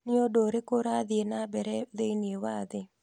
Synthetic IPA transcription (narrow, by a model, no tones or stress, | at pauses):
nɪodoɾɪkoɾad̪ɪenabɛɾɛdeiniewad̪ɪ